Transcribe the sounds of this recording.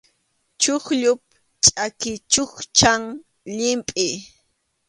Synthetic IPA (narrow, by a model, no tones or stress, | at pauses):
t͡ʃʊχʎʊp̚ | t͡ʃʼakɪt͡ʃʊχt͡ʃaŋ | ʎɪmpʼɪ